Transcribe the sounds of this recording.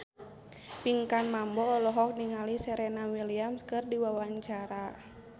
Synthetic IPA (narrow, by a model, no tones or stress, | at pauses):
piŋkanmambɔːlɔɦɔk̚niŋalisɛɾɛnawiliamskɨrdiwawaɲt͡ʃaɾa